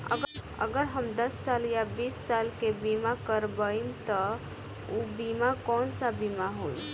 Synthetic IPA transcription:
ə̰ɡ | ə̰ɡəɾɦəmd̪əsːaljabisːalkebimakəɾbəimt̪ə | ubimakɔnsabimaɦoj

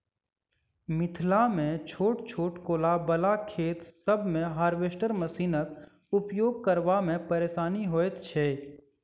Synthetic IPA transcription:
mɪt̪ʰlamẽt͡ʃʰoːʈt͡ʃʰoːʈkoːlabəlakʰeːt̪səbʱmẽɦaːɾʋeːʃʈəɾməsiːnək | ʊpjoːɡ̚kəɾʋamẽpəɾeːʃaːniɦoːet̪t͡ʃʰeː

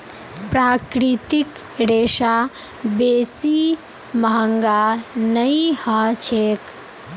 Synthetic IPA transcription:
pɾakɾit̪ik | ɾeːʃa | beːsi | məɦəŋɡanəihat͡ʃʰek

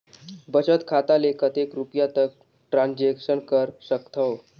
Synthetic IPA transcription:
bət͡ʃət̪kʰat̪alekʰət̪ekɾupjat̪ək̚ | ʈɾãnd͡ʑekʃənkəɾsəkt̪ʰəw

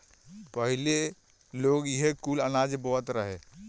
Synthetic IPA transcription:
pəɦile | loɡiɦekulənad͡ʒbɔɦt̪ɾəɦe

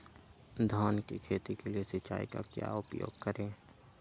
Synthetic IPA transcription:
d̪ʱɔːnkikʰeːt̪ikeliesət͡ʃa̰ːḭka̰kja̰ʊpjo̰ːɡkəɾẽː

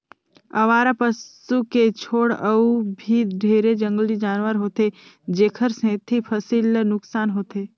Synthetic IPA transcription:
ɐ̰ʋaːɾapəs | uket͡ʃʰoːɽəubʱiɖʱeːɾed͡ʒə̃ŋɡəlid͡ʒaːnʋəɾɦoːt̪e | d͡ʒeːkʰəɾsẽːt̪ʰipʰəsiːlnʊksaːnɦoːt̪eː

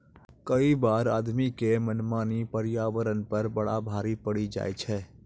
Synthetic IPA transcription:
kəibaːɾaːd̪mikemənmaːnipəɾɪjaːʋəɾənpɐɾbɐɽabʱaːɾipəɽid͡ʒa̰ːet͡ʃʰɛː

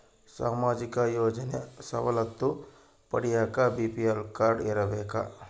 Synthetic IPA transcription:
sa̰ːmaːd͡ʒikajoːd͡ʒənjəsɐ̰ʋɐlɐt̪ːu | pɐɽijakabipielkaɾɖeɾɐʋeka̰

